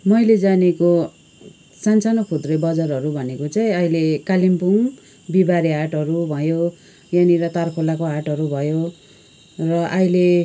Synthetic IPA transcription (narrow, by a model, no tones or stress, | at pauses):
mʌjled͡zaneko | sant͡sanʌkʰud̪rʌbʌd͡zarɦʌɾubʱʌnekot͡saĩʌilekalimpuŋ | bibaɾiɦaʈɦʌɾubʱʌjo | janiɾʌt̪arkʰolakoɦaʈɦʌɾubʱʌjo | rʌʔʌile